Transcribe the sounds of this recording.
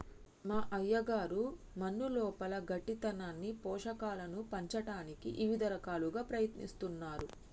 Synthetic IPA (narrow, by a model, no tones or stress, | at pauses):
maːʔɐjːɐɡaːɾu | mɐnːulɔːpɐlɐɡɐʈːit̪ɐnaːnːipɔːʂɐkaːlɐnupɐɲt͡ʃɐʈaːnikiʔiʋid̪ɐɾɐkaːluɡaːpɾɐjɐt̪nḭst̪unːaːɾu